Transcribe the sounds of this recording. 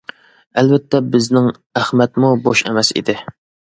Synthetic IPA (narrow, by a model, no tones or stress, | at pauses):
ɛlvɛt̪ʰːɛbɪznɪŋ | æχmɛt̪muboʃɛ̰mɛsḭd̪ɪ